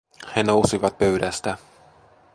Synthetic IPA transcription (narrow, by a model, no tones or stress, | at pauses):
he̞no̞wsiʋɑt̪̚pø̞ɥdæst̪æ